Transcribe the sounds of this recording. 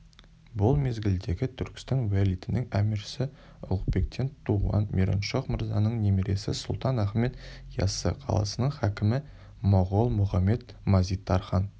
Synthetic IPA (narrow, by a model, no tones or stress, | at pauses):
bʊlˠme̞zɡʲɪld̪e̞ɡʲɪt̪ʰʏɾkʲɪ̥st̪ɪŋwalʲijt̪ɪnɪŋæmiɾsɪ | ʊ̰lˠqbe̞k̚t̪ʰe̞nt̪ʰuwɑ̰nmʲʔeɾo̰nʃoqməɾzɑ̰nəɴnʲemeɾesɪ̰sʊlˠt̪ɑnæχme̞t̪jɑ̰sə̰qʰɑ̰lˠɑ̰sənəɴχækʲɪmɪ | moʁolˠmʊχɑmːe̞t̪̚ | mɑzijt̪ːɑɾχɑn